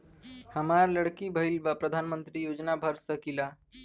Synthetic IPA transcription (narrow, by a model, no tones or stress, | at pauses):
həmaɾləɽkibʱəilbapɾəd̪ʱanmənt̪ɾiːjod͡ʒnabʱəɾsəkila